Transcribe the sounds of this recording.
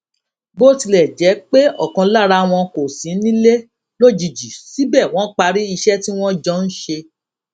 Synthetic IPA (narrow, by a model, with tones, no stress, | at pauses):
bo˦ti˧lɛ˨d͡ʒɛ˨˦k͡pe˦ɔ̰˦˨kɔ̃˧la˦˨ɾa˧w̃ɔ̃˧ko˨sĩ˨˦nĩ˦le˦ | lo˦˨d͡ʒi˨d͡ʒi˨si˨˦bɛ˦˨w̃ɔ̃˦k͡pa˧ɾi˦i˧ʃɛ˦ti˦w̃ɔ̃˦d͡ʒɔ˦n̩˦ʃe˧